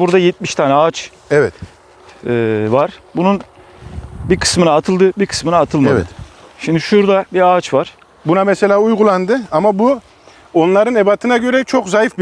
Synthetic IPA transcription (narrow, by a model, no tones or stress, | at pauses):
buɾd̪ajɛt̪̚miʃt̪ʰaːnɛaːt͡ʃ | ɛvɛt̪ː | vaɾ̥bunun | bikʰɯ̥smɯnaːt̪ʰɯlˠd̪ɯbiɾkʰɯ̥smɯnaːt̪ʰɯlˠmma̰ɯʃimd̪iʃuɾd̪abiɾaːt͡ʃvaɾ̥ | bunamɛse̞lʲaːujɡulˠand̪ɯamabu | o̞nlˠaɾɯnebat̪ʰɯnaɟø̞ɾɛt͡ʃʰo̞kzajifbi